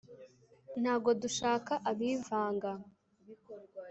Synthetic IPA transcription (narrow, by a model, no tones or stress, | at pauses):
n̥haːbɡo̞duʃaːkaʔaβiːvaːŋɡa